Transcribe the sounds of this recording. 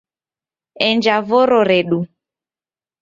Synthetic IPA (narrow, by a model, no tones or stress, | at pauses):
ɛɲd͡ʒavoɾoɾeɗu